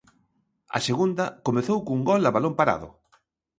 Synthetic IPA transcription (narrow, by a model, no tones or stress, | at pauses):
ɐ̰seɣund̪ɐkomeθowkuŋɡɔlaβalompaɾa̰ðʊ̰